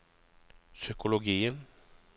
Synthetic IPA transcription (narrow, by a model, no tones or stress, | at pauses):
sʏkʊlʊɡiːən